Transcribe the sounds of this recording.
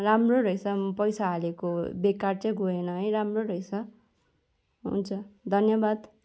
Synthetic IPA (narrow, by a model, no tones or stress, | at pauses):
ramroɾʌjsʰʌpʌjsaɦalekobekart͡sʌjɡʱoenʌɦʌjɾamroɾʌjt͡sʰʌ | ɦṵnt͡sʰʌd̪ʱʌnjʌbad̪